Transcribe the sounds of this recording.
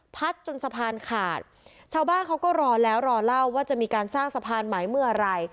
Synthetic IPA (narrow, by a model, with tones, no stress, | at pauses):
pʰa˦˥t̪̚t͡ɕo˧nsa˧pʰaː˧nkʰa̰ː˨˩t̪̚ | t͡ɕʰaː˧wbaː˥˩nkʰa˦˥wkɔː˥˩ɾɔː˧lɛː˦˥wɾɔː˧la˥˩wːaː˥˩t͡ɕa˨˩ʔmiː˧kaː˧nsaː˥˩ŋsa˧pʰaː˧nma˩˦jmɯ˥˩ɐɾa˧j